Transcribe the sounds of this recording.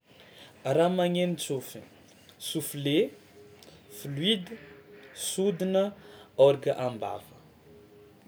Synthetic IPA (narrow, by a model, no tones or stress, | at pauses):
ramaŋenit͡sufi | sufle | flwid̪əsud̪inəɔɾɡəʔamba̰və